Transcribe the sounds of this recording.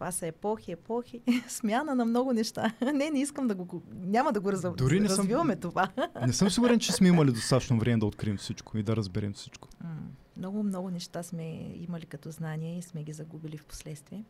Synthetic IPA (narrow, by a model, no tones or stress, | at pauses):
t̪vasɐɛpɔxiɛpɔxismʲjanənɐmnɔɡʊnɛʃt̪anɛnɛiskəmd̪ɐɡonʲamɐd̪ɐɡoɾɐzd̪ʊɾinɛɾɐzvivɐmɛt̪ovannɛsɤmsiɡʊɾɛnt͡ʃɛsmɛimɐlid̪ost̪at͡ʃnovɾɛmɛd̪ɐot̪kɾiɛmfsit͡ʃkoid̪ɐɾɐzbɛɾɛmfsi̥t͡ʃko̥mnɔɡʊmnɔɡʊnɛʃt̪asmɛḭmɐlikɐt̪ɔznaniɛismɛɡʲizɐɡubilifpo̥slɛt̪st̪viɛ